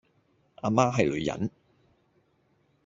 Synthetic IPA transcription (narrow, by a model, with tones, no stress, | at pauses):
ʔaː˧maː˥ɦɐ˨jlɵ˨˧ɥjɐ̰˨˥n